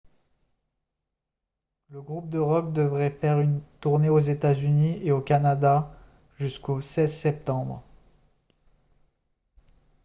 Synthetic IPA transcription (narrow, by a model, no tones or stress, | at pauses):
ləɡʁup̚d̪əʁɔkd̪əvʁɛfɛʁynt̪uʁneozet̪azynieokanad̪a | ʒyskosɛzsɛp̚t̪ɑ̃bʁ